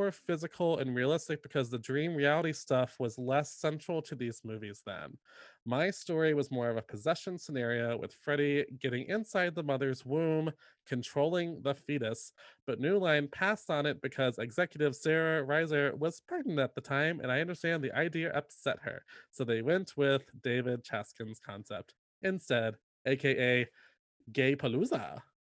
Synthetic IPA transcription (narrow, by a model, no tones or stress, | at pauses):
ɔɹfɪzɨkʰl̩ˠɨ̰̃nɹiɨlɪstɨk̚b̥ɨkʰʌzðɨdɹĩmɹiælˠəɾistʌfwʌzlɛsɛ̃nt͡ʃɹ̥l̩ˠtʰɨðizmʉvizðə̰̃nmaɪstɔɹiwʌzmɔɹʌvəpʰɨzɛʃɨ̃n̩sənɛɹioʊwɨ̰ð̥fɹɛɾiɡɛɾɪ̃ŋʔɪ̃nsaɪd̪̚ðəmʌðə˞zwũm | kʰɨ̃ntʰɹ̥oʊlˠɪ̃ŋðəfiɾɨsb̥ʌtⁿnʉlãɪ̃npʰæstn̩ɨt̚b̥ɨkʰʌzɨɡzɛkjɨɾɨv̥sɛɹɨɹaɪzə˞wʌz̥paɹʔn̩dɨt̪̚ðətʰãɪ̃mʔɨ̰̃naɪʌ̃ndə˞stæ̃nðiʔaɪdiɨʔʌpsɛ̰t̚hə̰˞soʊðeɪwɛ̃nt̚ʰwɪðdeɪvɪd̚t͡ʃʰæ̰skɨ̃nz̥kʰɑ̰̃nsɛ̰p̚t | ɨ̃nstɛd | ʔeɪkʰeɪʔeɪ | ɡeɪpʰəluzə̰